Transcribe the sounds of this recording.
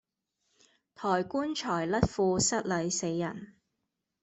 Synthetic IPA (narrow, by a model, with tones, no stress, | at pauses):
t̪ʰɔː˨˩jkuː˥nt͡ʃʰɔː˨˩jlɐ˥t̚fuː˧sɐ˥t̚lɐ˨˥jse˨˧jːɐ˨˩n